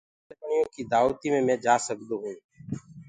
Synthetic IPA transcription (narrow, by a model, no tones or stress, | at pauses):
əkɳɪjõːkiːd̪aːʋt̪iːmẽːmɛ̃ːd͡ʒaːsək̚d̪õːɦũː